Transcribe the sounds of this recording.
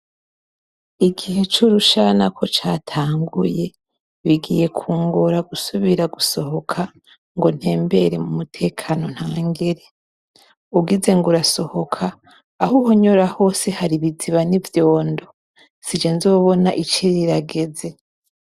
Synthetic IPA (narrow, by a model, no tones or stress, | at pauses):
iɡihe̞t͡ʃuɾuʃanakʰo̞t͡ʃaːtʰaːŋɡuje̞ | βiɡḭje̞kʰuːŋɡuɾaɡusuβiɾaɡuso̞ho̞kʰa | ŋɡo̞n̥he̞ːmbe̞ɾemumutʰe̞ːkʰano̞n̥haːŋɡeɾe̞ | uɡize̞ŋɡuɾaso̞ho̞kʰaː | huhoɲo̞ɾaho̞ːse̞haɾiβid͡ziβanivjo̞ːndo̞ | sid͡ʒenzoːβo̞naʔit͡ʃiɾiɾaɡe̞ze̞